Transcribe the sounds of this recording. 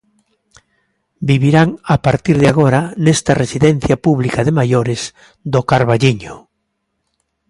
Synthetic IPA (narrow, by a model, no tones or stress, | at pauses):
biβiɾaŋapaɾt̪iɾðeaɣ̞oɾanest̪aresiðɛn̟θjapuβlikaðemajoɾez | d̪okaɾβaʎiɲo